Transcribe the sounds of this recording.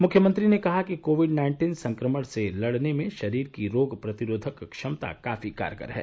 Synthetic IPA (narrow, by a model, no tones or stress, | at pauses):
mʊkʰjəmɐ̃nt̪ɾinekɐɦakikoːʋɪɖnaːɪ̃ɳʈiːnsɐ̃ŋkɾəməɽ̃selɐɽnemẽʃɐɾiːɾkiɾoːɡpɾɐt̪ɪɾoːd̪ʱəkkʃɐmt̪a̰ka̰ːfika̰ːɾjkə̰ɾɦɛ̰ː